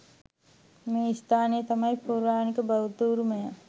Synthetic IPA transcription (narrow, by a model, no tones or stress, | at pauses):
mẽst̪ʰaːnijet̪ɐmaipuːɾaːnikɐbɐʋut̪uːɾumeja